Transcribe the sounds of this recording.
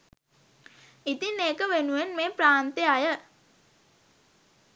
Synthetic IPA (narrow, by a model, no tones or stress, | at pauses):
it̪ineːkəʋenuʋenmeːpɾaːnt̪eajə